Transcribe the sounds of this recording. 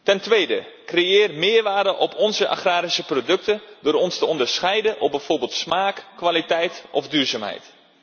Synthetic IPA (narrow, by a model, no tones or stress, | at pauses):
tɛntʋejdə̰ | krejɪːrmɪːɹʋaːrdəʔɔpʰɔnzəʔa̰χraːɾisəprodɵk̚təndʊːɾɔnstəɔndəɹsχɛjdənʔɔb̚bɛjv̥oːɹbɪːlˠtsmaːkkːʋalitɛjtʔɔvdyːɹzaːmɦɛ̰jt